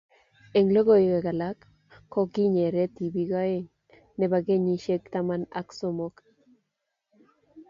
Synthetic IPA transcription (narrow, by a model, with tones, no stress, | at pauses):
e˨ŋlo˦ɡo˨jɡe˨ɡa˨lakː | o˦ki˦ɲe˨ɾe˦t̪i˨biɡa˦eŋ | ne˨baɡe˦ɲiʃe˦kt̪amana̰ksomok